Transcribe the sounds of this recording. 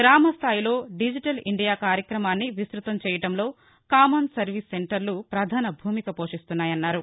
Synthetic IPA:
ɡɾaːmɐst̪ʰaːjilo̞ːɖid͡ʒiʈɐliɳɖijaːkaːɾjɐkɾɐmaːnːiʋisɾut̪ɐmt͡ʃɛːjɐʈɐmlo̞ː | kaːmɐnsɐɾʋisːeɳʈɐɾlupɾɐd̪ʱaːnɐbʱuːmikɐpo̞ːʂist̪unːaːjɐnːaːɾu

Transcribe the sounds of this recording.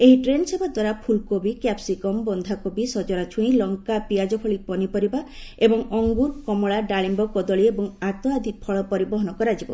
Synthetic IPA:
eɦiʈɾenɔsebʱad̪waɾapʰulkobikapsikɔmbɔnd̪ʱakobisɔd͡ʒɔnat͡ʃʰuĩlɔŋkapiad͡ʒɔpʰɔɭipɔnipɔɾibaebɔŋɔŋɡuɾkɔmɔɭaɖaɭimbɔkɔd̪ɔɭiebɔŋat̪ɔad̪ʱipʰɔɭɔpɔɾibɔɦɔnɔkɔɾad͡ʒibɔ

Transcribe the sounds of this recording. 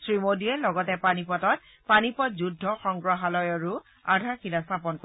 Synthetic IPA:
sɹimodiɛlɔɡɔtɛpanipɔtɔt̚ | panipɔtzudʱːɔxɔŋɡɹɔɦalɔjaɹu | adʱaxilastʰapɔnk

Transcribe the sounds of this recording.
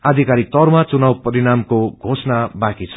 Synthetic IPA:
ad̪ʱikaɾik̚t̪ʌrmat͡sunawpʌɾiɽamkoɡʱosnabakit͡sʰʌ̥

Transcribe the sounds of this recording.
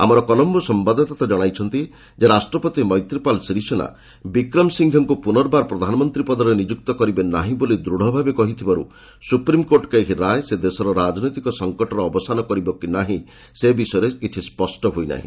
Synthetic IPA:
a̰mɔɾɔkɔlɔmbɔsɔmbad̪ʱɔt̪at̪ad͡ʒɔɽ̃ajt͡ʃʰɔnt̪i | d͡ʒeɾasʈɾɔpɔt̪imɔjt̪ɾipalsiɾisɔna̰ | bikɾɔmsiŋɡʱjɔŋkupunɔɾbaɾpɾɔd̪ʱanɔmɔnt̪ɾipɔd̪ɔɾenid͡ʒuk̚t̪ɔkɔɾibenaɦĩbolid̪ɾuɽ̤ɔbʱabekɔɦit̪ʰibaɾṵ | supɾimkoɾʈkeekiɾaejsed̪esɔɾɔɾad͡ʒnɔjt̪ikɔsɔŋkɔʈɔɾɔːbɔsanɔkɔɾibɔkinaɦĩ | sebisɔeɾekit͡ʃʰispɔsʈɔɦojna̰ɦḭ̃

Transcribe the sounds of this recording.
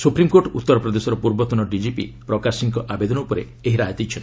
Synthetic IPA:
supɾimkoɾʈɔut̪ːɔɾɔpɾɔd̪esɔɾɔpuɾbɔt̪unɔɖid͡ʒipḭpɾɔkasiŋkɔʔabed̪ɔnɔupɔɾḛ | eɦiɾat̪it͡ʃʰɔn

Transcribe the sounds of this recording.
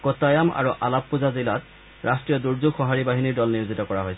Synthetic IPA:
kɔtajama̰ɹuʔa̰lappuzazilat | ɹastɹijɔduɹzuɡxɔɦaɹibaɦiniɹdɔlniɹuzitɔkɔɹaɦojsɛ

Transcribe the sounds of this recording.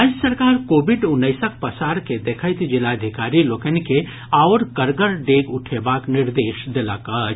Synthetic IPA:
aːd͡ʒjəsəɾkaːɾkoːbɪɖʊnːəɪsək̚ʰpəsaːɾked̪ekʰət̪d͡ʒɪlaəd̪ʱɪkaːɾilokənke | aʊɾkəɾɡəɾɖeːɡʊʈʰebaːknɪɾd̪eːʃd̪elaka

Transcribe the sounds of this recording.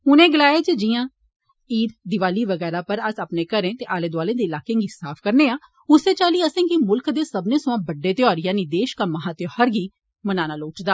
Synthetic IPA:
ʊnẽːɡəlaːeːd͡ʒd͡ʒɪjãː | iːɾd̪ɪʋaːliːʋəɡɛːɾaːpəɾəsaːpneːkəɾẽːt̪eːʔaːleːd̪ʋaːlẽːd̪eːlaːkẽːŋɡiːsaːpʰkəɾneːãː | ʊseːt͡ʃaːliːəsẽːkimʊlkd̪eːsəbnẽːsʊãːbəɖːeːt̪eɔːɾɪjãːnĩːd̪eːʃkəmːãːɦat̪johəɾɡiː | mənaːnaːloːt͡ʃd̪aː

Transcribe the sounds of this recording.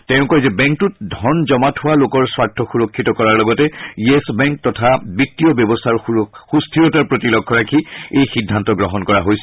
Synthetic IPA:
tɛʊ̃kɔjzɛbɛ̃ŋk̚tut̚dʱɔnzɔmatʰʊwalokɔɹswaɹtʰːɔxuɹɔkʰːitɔkɔɹaɹlɔɡɔtɛiesbɛŋk̚tɔtʰabitːijɔbjɔbɔstʰaɹxustʰiɔtaɹpɹotilɔkʰːɔɹakʰiejxidʱːantɔɡɹɔɦɔnkɔɹaɦojsɛ

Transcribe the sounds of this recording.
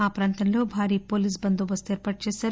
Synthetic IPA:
aːpɾaːnt̪ɐnlo̞ːbʱaːɾiːpo̞ːliːs̬bɐnd̪uʋɐst̪ueːɾpaːʈ̚t͡ʃeːsaːɾ

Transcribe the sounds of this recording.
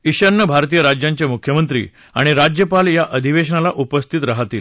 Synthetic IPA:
iɕəɾnəbʱaɾt̪iːjəɾad͡ʑjãɲt͡ɕjemukʰjəmənt̪ɾḭː | a̰ɽ̃iɾad͡ʑjəpaljaʔəd̪ʱiʋeɕɳalaʔupəst̪ʰit̪ɾaɦat̪iːl

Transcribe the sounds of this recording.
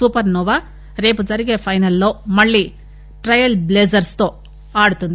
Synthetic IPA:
suːpɐɾnuːʋa | ɾe̞ːpud͡ʒɐɾiɡeːpʰɐjnɐlːo̞ːmɐɭːi | ʈɾɐjɐlbleːd͡ʒɐɾst̪oː | aːɽut̪und̪i

